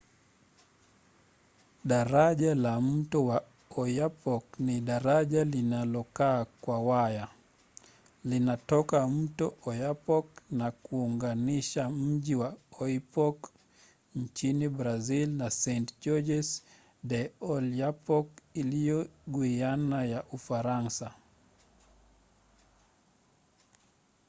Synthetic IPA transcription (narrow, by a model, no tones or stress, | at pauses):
ɗaɾaʄalam̩tɔwa | ɔjapɔkniɗaɾaʄalinalɔkaːkwawaja | linatɔkam̩tɔɔjapɔknakuuŋɡaniʃam̩ʄiwaɔipɔk | ɲt͡ʃinibɾazilnasɛntd͡ʒɔd͡ʒɛs | dɛɔljapɔkilijɔɡuianajaʔufaɾansa